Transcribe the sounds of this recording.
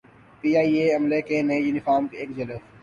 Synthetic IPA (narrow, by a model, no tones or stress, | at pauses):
piːaːieːɐmleːkenẽjunɪfaːɾmkeːkd͡ʒɐləs